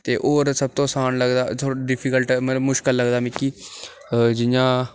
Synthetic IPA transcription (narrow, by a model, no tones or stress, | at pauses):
t̪eːʔoːɾsəb̚t̪õːsaːnləɡd̪aːtʰoɖɪpʰiːkəlʈmələbmʊʃkəlːəɡd̪aːmiːkiː | d͡ʒɪjãː